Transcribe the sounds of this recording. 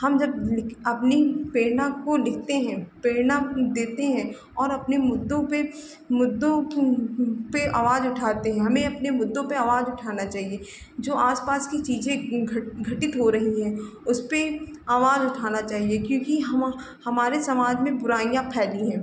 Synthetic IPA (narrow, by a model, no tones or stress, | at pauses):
hɐmd͡ʒɐb̚lɪkʰɐpnipeːnãkolɪkʰt̪eɦɛ̃peːnad̪eːt̪eɦɛ̃ː | ɔːɾɐpnemʊd̪ːõpe | mʊd̪ːõ | peʔaːʋaːzʊʈʰaːt̪eɦɛ̃ɦɐmẽɐpnemʊd̪ːõpeaːʋaːzʊʈʰaːnat͡ʃaːɦie | d͡ʒoːʔaːspaːskit͡ʃiːzẽɡɡʱɐʈɪt̪ɦoɾɐɦiɦɛ̃ː | ʊspe | aːʋaːzʊʈʰaːnat͡ʃaːɦiekjõːkiɦɐm | hɐmaːɾesɐmaːd͡ʒmẽbʊɾaːijãpʰɛːlĩɦɛ̃ː